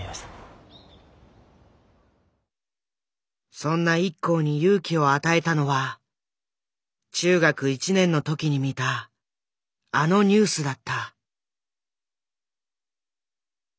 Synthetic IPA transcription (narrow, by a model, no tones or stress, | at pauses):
sõ̞nːaikːo̞ːɲ̟ijɯ̟ːkʲio̞at̪ae̞t̪ano̞βa | t͡ɕɨːɡakɯ̟it͡ɕinẽ̞nːo̞t̪o̞kʲiɲ̟imʲit̪a | no̞ɲ̟ɨːsɨd̪at̪ːa